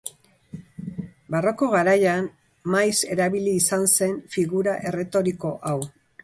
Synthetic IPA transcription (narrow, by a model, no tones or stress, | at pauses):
baro̞ko̞ɣ̞aɾajan | majse̞ɾaβiliːsanse̞nfiɣuɾaʔe̞re̞t̪o̞ɾiko̞ʔaw